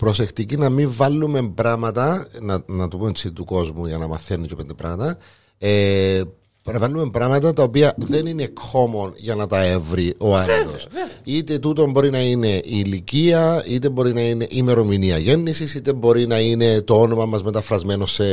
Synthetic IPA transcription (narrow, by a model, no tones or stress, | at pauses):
pɾo̞se̞xt̪icinɐmiɱvɐlːume̞mbɾɐmɐt̪ɐnɐnɐt̪upumet͡sʰːit̪it̪uko̞zmuʝɐnɐmɐ̰θenːicopend̪epɾɐ̰mɐt̪ɐ | e | bvɐlːume̞mbɾɐmɐt̪ɐt̪ɐopiɐðe̞nine̞kːo̞mo̞nʝɐnɐt̪ɐe̞vɾiʔo̞ɐɾɐt̪osit̪e̞t̪ut̪o̞mbo̞ɾinɐine̞ʔiliciɐit̪e̞bo̞ɾinɐine̞ʔime̞ɾo̞miniɐʝe̞nːisisit̪embo̞ɾinɐine̞t̪oonomɐmɐzme̞t̪ɐfɾɐzme̞nosːe